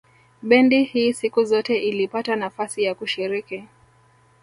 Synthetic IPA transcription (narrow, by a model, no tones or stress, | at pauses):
ɓɛndihiːsikuzɔtɛʔilipatanafasijakuʃiɾiki